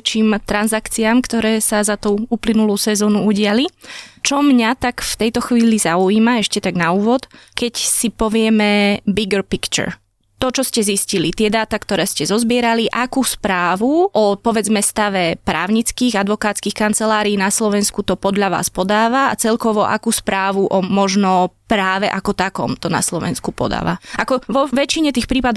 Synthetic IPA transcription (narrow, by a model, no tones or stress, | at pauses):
t͡ʃiːmt̪ɾanzakt͡siamkt̪ɔɾɛːsazat̪uːuːplinuluːsɛzɔːnuuɟɪalit͡ʃɔmɲat̪akft̪ɛjt̪ɔxʋiːlizauiːmaɛʃcɛt̪aɡnauːʋɔt̪kɛcsipɔʋɪɛmɛbiɡɛɾpikt͡ʃɛ̰ɾ | t̪ɔt͡ʃɔscɛziscilit̪ɪɛd̪aːt̪akt̪ɔɾɛːscɛzɔzbɪɛɾaliʔakuːspɾaːʋuʔɔpɔʋɛd͡zmɛst̪aʋɛpɾa̰ːʊɲit͡skiːɣad̪ʋɔkaːt̪t͡skixkant͡sɛlaːɾiːnaslɔʋɛnskut̪ɔpɔd̪ʎaʋa̰ːspɔd̪aːʋa̰ːt͡sɛʎkɔʋɔʔa̰kuːspɾaːʋuʔɔmɔʒnɔpɾaːʋɛʔakɔt̪akɔ̰mt̪ɔna̰slɔʋɛ̰nskupɔ̰d̪a̰ːʋa̰akɔʋɔʋɛt͡ʃiɲɛt̪iːxpɾiːpad̪